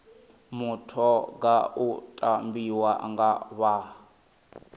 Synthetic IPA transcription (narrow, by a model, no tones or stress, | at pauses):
mutʰɔɡautʼambiwaʔa̰ŋɡaβa